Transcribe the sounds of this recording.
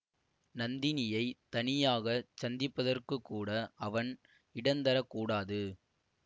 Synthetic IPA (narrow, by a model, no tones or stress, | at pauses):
nɐnd̪ɪnɪjɐɪt̪ɐnɪjaːɣɐt͡ʃɐnd̪ɪpːɐðɐrkɯkːuːɽɐʔɐʋɐn | ɪɽɐnd̪ɐɾɐkːuːɽaːðɯ